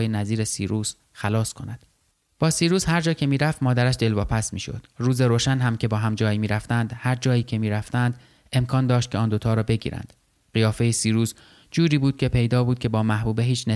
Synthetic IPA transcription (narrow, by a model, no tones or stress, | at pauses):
jenæziːɾesiːɾuːz̥ | xælɒːskʰo̞næd̪̥ | b̥ɒːsiːɾuːzhæɾd͡ʒɒːcʰe̞miːɾæft̪mɒːd̪æɾæʃd̪e̞lvɒːpʰæsmiːʃo̞̰d̪̥ruːzeɾoʃænɦæmcʰe̞bɒːɦæmd͡ʒɒːjimiːɾæft̪ænd̪hæɾd͡ʒɒːiːcʰe̞miːɾæft̪ænd̪ | e̞mkʰɒːnd̪ɒːʃt̪̚cʰʲeɒːnd̪ot̪ʰɒːɾɒːbe̞ɟḭːɾæ̰nd̪̥ | ɢijɒːfe̞jesiːɾuːz | d͡ʒuːɾiːbuːd̪̚cʰʲe̞pʰe̞jd̪ɒːbuːd̪̚cʰʲe̞bɒːmæhbuːbeɦiːt͡ʃʰne